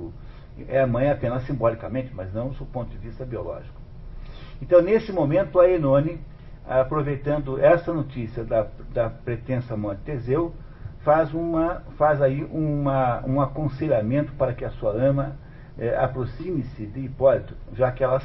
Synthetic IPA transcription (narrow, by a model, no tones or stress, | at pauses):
ɛɐmɐ̃j̃apẽnɐsːĩmbɔlikɐmẽt͡ʃ̪ɪmɐznɐ̃w̃d̪ɪsopõnt̪ʊd͡ʒ̪ɪvist̪ɐbiolɔ̰ʒikʊ̥ | ẽnt̪ɐ̃w̃nesɪmõmẽnt̪ʊɐenõnɪ | apɾovejt̪ɐ̃nd̪ʊʔɛsɐnot͡ʃisiɐd̪ɐd̪ɐpɾet̪ẽsɐmɐ̃nt̪ezew | fazũmɐfazaiʔũmɐũakõseʎamẽnt̪ʊ̥paɾɐkɪɐsuɐɐ̃mɐ | ɛʔa̰pɾosĩmɪsɪd̪ɪipɔlit̪ʊ̥ʒakɪɛlɐ